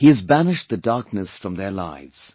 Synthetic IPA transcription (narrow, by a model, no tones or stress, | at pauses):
hiɨzbænɪʃðɨdɑɹk̚nɨsfɹʌ̃mðə˞la̰ɪvz̥